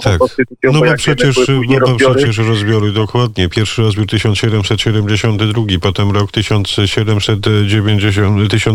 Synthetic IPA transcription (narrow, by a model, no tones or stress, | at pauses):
t̪ʰak̪nɔbɔpʂɛt͡ɕɛʂbɔbɔpʂɛt͡ɕɛʂɾɔzbʲjɔɾɘd̪ɔkwad̪ɲɛpʲjɛɾfʂɘɾɔzbʲjuɾt̪ɘɕɔnt̪ɕɛd̪ɛmsɛt̪ɕɛd̪ɛmd͡ʑeɕɔnt̪ɘd̪ɾuɡʲipɔt̪ɛmɾɔkt̪ɘɕɔnt̪sɕɛd̪ɛmsɛt̪d͡ʑevʲjeɲd͡ʑeɕɔnt̪ɘɕɔ̃n